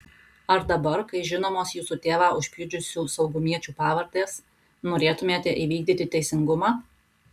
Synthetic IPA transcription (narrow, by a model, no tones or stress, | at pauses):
ɐɾd̪ɐbɐɾkɐɪʒʲɪnoːmoːsjuːsuːt̪ʲeːʋɑːʔʊʃʲpʲɪd͡ʒʲʊsʲuːsɐʊɡʊmʲiɛt͡ʃʲuːpɑːʋɐɾt̪eːs | noːɾʲeːt̪ʊmʲeːt̪ʲɛʔiːʋʲiːɡ̚d̪ʲiːt̪ʲɪt̪ʲɛɪsʲɪŋɡʊmɑː